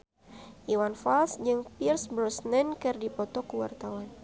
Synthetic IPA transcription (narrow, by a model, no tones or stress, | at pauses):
ʔiwanfalsd͡ʒɨŋpirsbɾɔsnɛnkɨrdipɔt̪ɔkuwa̰rt̪awan